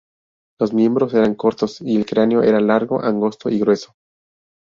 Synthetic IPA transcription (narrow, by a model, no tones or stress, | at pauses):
lo̞zmje̞mbɾo̞se̞ɾaŋko̞ɾt̪o̞sielkɾeaneo̞ʔe̞ɾalaɾɣo̞ʔaŋɡo̞st̪o̞iɣɾwe̞so̥